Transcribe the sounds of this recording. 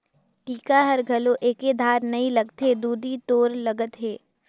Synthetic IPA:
ʈiːkaɦɐɾɡʱɐlõʔeːked̪ʱaːɾnɐilɐɡt̪ed̪uːd̪ʱit̪oːɾlɐɡət̪ɦeː

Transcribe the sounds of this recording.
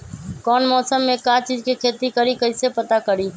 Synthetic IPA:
kɔːnmɔːsəmːekat͡ʃid͡ʒkekʰet̪ikəɾikəɪsepət̪akəɾi

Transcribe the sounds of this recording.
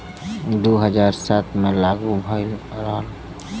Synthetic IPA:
d̪oːɦəd͡ʒaːɾsat̪ʰmẽlaːɡubʱajɾəɦəl

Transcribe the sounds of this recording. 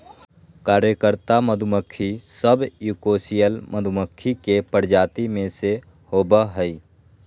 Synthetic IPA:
kaːɾjəkəɾt̪aməd̪ʱʊməkʰːisəbjukoːsijəlmʔəd̪ʱməkʰːikepəɾd͡ʒaːt̪imẽse | hoːbəɦəi

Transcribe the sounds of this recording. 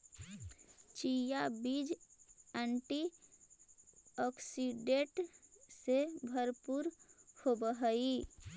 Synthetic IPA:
t͡ʃijabid͡ʒɛɳʈi | ɔksiɖeʈsebʱəɾpuɾhobəɦəi

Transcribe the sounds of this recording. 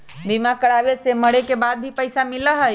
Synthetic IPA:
bimakəɽabeseməɽekebad̪̚bʱipəjsamiləɦəj

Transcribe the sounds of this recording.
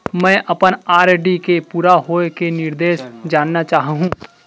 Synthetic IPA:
mɛ̃ːʔɐpənaːɾɖikepuːɾaɦoːekenɪɾd̪eːʃd͡ʒaːnːat͡ʃaːɦɦũː

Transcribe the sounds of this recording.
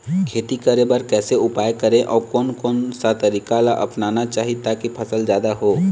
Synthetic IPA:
kʰeːt̪ikəɾebəɾkɛːseʊpaːjkəɾẽʔɔːɾkɔːnkɔːnsat̪əɾiːkalaʔɐ̰pnaːnat͡ʃaːɦit̪akipʰɐsəld͡ʒjaːd̪aɦoː

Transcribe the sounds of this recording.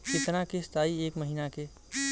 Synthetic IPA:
kɪt̪nãkest̪ʰaːieːkməɦiːnake

